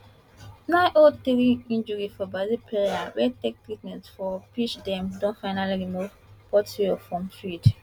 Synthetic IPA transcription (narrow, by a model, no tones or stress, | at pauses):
nãʔodtiɹiĩnd͡ʒɔɹifɔbazipʰɹejawɛtɛk̚tikmɛ̃nsfɔpit͡ʃdɛ̃mdɔ̃nfaɪnaliɹimuv | pɔtɹiɔfɹɔ̃mfɹid